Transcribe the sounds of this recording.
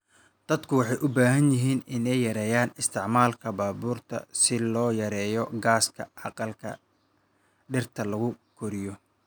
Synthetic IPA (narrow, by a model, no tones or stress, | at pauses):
d̪̥ɐd̪kʰʊwɑħɑjʔʊbaːɦɐnjɪɦiːnɪnɛjːɐɾɛːjaːnɪst̪ʰɪʕmaːlkʰɐbaːbuːrt̪ʰɐ̰sɪlɔːjɐɾɛːjɔɡaːskʰɐʕɑqɑlkʰɐ̰ | ɖɪrt̪ʰɐlɐɣʊkʰɔɾɪjɔ